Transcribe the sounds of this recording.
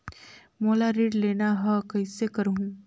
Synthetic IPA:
molaɾiːɽleñaɦəkəjsekəɾu

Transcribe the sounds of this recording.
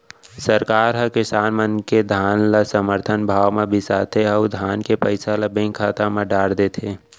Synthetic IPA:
səɾkaːɾɦə̃kɪsaːnmənked̪ʱaːnlasəməɾt̪ʰənbʱaːwmebʱisaːt̪ʰeəwd̪ʱaːnkepəɪsaləbẽŋkʰaːt̪ameɖaːɽd̪eːt̪ʰeː

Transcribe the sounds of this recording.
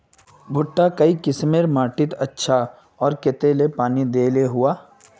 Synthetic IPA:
bʱʊʈːakɐikɪsmeɾmaːʈɪt̪ɐtːʃʰa | ɔːɾket̪elepaːnid̪eːleɦuaː

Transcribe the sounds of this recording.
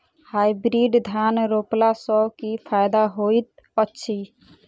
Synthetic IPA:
haibɾiɖd̪ʱjanɾoːplasəkipʰaːjd̪aɦoit̪̚ | ətːʃʰi

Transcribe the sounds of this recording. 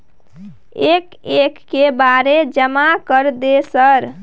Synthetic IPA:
ek | ekːebaɾed͡ʒəmakəɾd̪esəɾ

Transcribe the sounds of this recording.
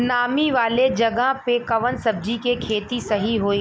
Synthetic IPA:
naːmiʋaːled͡ʒɐɡəɦpekɐʋənsɐb̚d͡ʒikekʰeːt̪isɐɦiɦoːiː

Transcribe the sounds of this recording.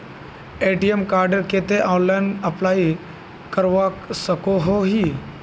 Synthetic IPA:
eʈiemkaɾɖəɾket̪eʔɔ̃ːnlainəplai | kəɾʋaksəkoɦoɦiː

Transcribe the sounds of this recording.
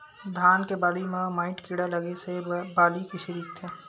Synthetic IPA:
d̪ʱaːnkebaːlimãmaːɪ̃ʈkiɽalɐɡesebaːlikiʃiɾikt̪ʰe

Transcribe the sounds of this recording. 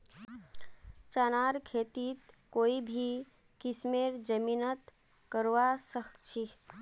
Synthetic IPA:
t͡ʃanaɾkʰet̪it̪koibʱi | kismeɾd͡ʒəminət̪ | kəɾʋasəkʰt͡ʃʰi

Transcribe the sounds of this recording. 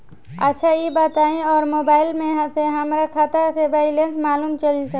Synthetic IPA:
ə̰tːʃʰajibaːt̪aːĩɔːɾmoːbaːɪlmẽɦseɦəmɾakʰat̪asebaɪlensmaːluːmt͡ʃəlisə

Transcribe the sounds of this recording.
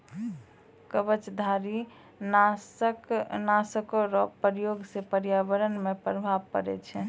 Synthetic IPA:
kəbət͡ʃd̪ʱaɾi | nasknasəkoɾɔpːəɾjoɡsepəɾjabəɾənmepɾəbʱabkə̰ɾɛ̰t͡ʃʰɛ

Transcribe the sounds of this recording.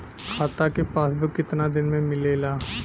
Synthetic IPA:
kʰaːt̪akepaːsbikɪt̪nad̪ɪnmẽmɪleːlaː

